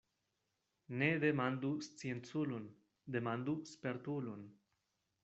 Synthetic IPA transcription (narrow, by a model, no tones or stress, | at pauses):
neðemand̪ust͡sjent͡sulun | d̪emand̪uspeɾt̪ulun